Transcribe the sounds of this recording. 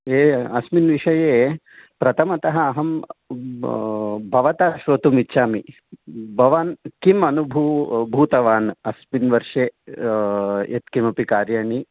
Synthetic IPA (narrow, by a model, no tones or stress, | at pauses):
eːɐsminʋiʂɐjeː | pɾɐt̪ʰɐmɐt̪ɐɦɐːɦɐm | bʱɐʋɐt̪aʃʋot̪umitːʃaːmi | bʱɐʋaːnkimɐnubʱubʱuːt̪ɐʋaːnɐsminʋɐɾʂeː | ḛt̪kimɐpikaːɾjaːɳi